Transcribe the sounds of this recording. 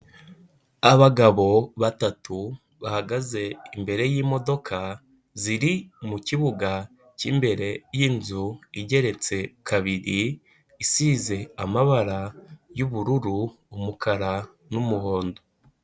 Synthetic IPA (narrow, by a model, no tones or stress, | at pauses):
aβaɡaβo̞βatatu | βahaɡaze̞imbe̞ɾe̞jiːmo̞do̞kʰa | ziɾimuciβuɡa | cimbe̞ɾe̞jinzuiɟe̞ɾe̞t͡se̞kʰaβiɾiː | size̞amaβaɾajuβuɾuɾuː | mukʰaɾa | numuho̞ːndo